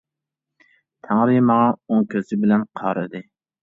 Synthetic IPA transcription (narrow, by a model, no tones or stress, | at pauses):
t̪ʰæŋɾɪmɑʁɑoŋkʲʰøzɪbɪlɛnqʰɑɾɨd̪ɨ